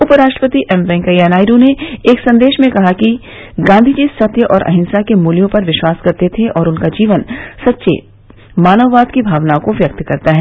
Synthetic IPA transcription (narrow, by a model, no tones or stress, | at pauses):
ʊpəɾaːʃʈɾəpət̪iʔɛmʋɛ̃ːŋkɐjanaːɪɾõneeːksɐ̃nd̪eːʃmẽkɐɦaki | ɡãːnd̪ʱid͡ʒiːsɐt̪jəʔɔːɾʔɐ̰ɦɪ̃nsakemuːljõpɐɾʋɪʃwaːskɐɾt̪et̪ʰeʔɔːɾʊnkad͡ʒiːʋənsɐt̪ːʃḛ | maːnəʋːaːd̪kibʱaːʋnaõkoʋjɐk̚t̪kɐɾt̪aɦɛː